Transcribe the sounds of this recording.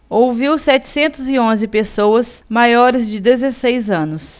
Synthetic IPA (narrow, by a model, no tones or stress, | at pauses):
owviwsɛt͡ʃɪ̥sẽnt̪ʊziõzɪpesowɐs | majɔɾɪzd͡ʒɪd̪ezesejzɐ̃nʊs